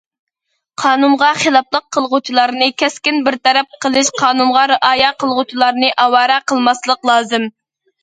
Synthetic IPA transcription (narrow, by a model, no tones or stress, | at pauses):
qʰɑːnumʁɑχelˠɑplˠəqʰːəlˠʁut͡ʃʰilˠɑɾnɨkʲʰɛskʲinbɪɾt̪ʰɛɾɛp̚qʰəlˠɨʃqʰɑːnumʁɑɾɨʔɑːjɑqəlˠʁʊt͡ʃʰilˠɑɾnɨʔɑwɑːɾɛqəlˠmɑslˠəqlˠɑːzɨm